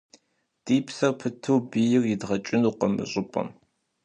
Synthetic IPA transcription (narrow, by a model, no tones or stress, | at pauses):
d̥iːpʰsɐpʰɨtʰɨwbijɪrjɪdʁɐt͡ʃʼɪnuqəmɨ̰ɕʼɪpʼɐ̰m